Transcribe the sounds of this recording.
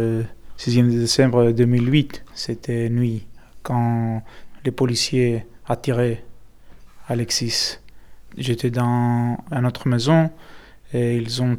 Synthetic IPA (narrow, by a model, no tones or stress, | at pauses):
sizjɛmd̪esɑ̃bʁd̪ømilɥit̪set̪ʰɛnɥikɑ̃ | lepɔlisjeat̪iʁe | alɛksis | ʒet̪ɛd̪ɑ̃ãnɔt̪χəmezɔ̃ | eilzɔ̃